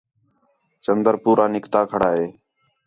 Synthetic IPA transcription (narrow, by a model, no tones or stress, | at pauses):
t͡ʃənd̪əɾpuːɾʔaːnɪkt̪aːkʰəɽaːɦeː